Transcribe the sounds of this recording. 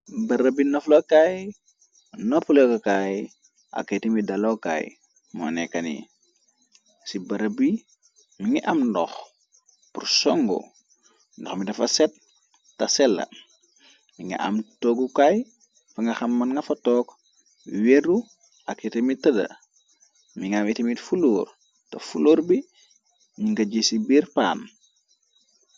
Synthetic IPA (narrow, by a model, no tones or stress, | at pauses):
bɐɾɐbinoflokaːj | noflokɐkaj | a̰ketemidɐloka̰j | mo̰nekɐnḭ | sibɐɾɐbi | miŋiʔamndɔx | pursɔŋɡo̰ | ndoxmidɐfɐsɛt̚ː | ɐsɛlːɐ̰ | miŋɐ̰ʔa̰mtoɡukaj | fɐŋɡɐxɐmːɐnŋɡɐfɐtɔːk | weɾu | ɐkitemitːɐdɐ̰ | miŋɡamitemitfuloːɾ | tɐ̰fuloːɾbi | ɲiŋɡɐɟesibiːɾpa̰ːn